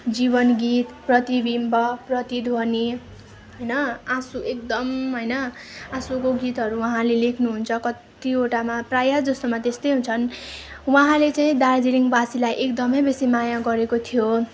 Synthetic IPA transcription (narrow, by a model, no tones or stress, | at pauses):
d͡zibʌnɡit̪prʌt̪ibimbʌprʌt̪id̪ʱwoni | ɦʌjnʌasuek̚d̪ʌmɦojnʌ | asukoɡit̪ɦʌɾuwʌɦãlelekʰnuɦunt͡sʰʌkʌt̪ioʈamaprajad͡zʌst̪omat̪est̪ʌjɦũnt͡sʰʌnwʌɦãlet͡saĩd̪ard͡ziɾiŋbasilajʔekd̪ʌmʌjbesimajaɡʌɾekot̪ʰijo